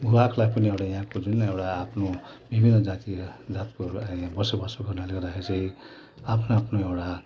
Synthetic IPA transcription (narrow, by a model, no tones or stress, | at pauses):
bʱuakʰlajpʌniewɽajãɦãkod͡zunewɽaːpʰno | bʱibʱinːʌd͡zãt̪id͡zat̪kojãbʌsobʌsoɡʌɾnaled̪aɦʰesej | apʰnaapʰnoewʈa